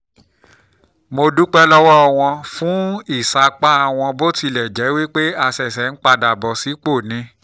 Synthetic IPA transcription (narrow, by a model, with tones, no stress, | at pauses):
mo˧du˦k͡pɛ˦lɔ˦wɔ˦ɔ˧w̃ɔ̃˧fũ˦i˦˨sa˨˦k͡pa˦a˧˨w̃ɔ̃˧bo˦ti˧lɛ˨d͡ʒɛ˨˦wi˦k͡pe˦a˧sɛ˨sɛ˨˦n̩˦k͡pa˧da˨bɔ˨si˨˦k͡po˦˨nĩ˨˦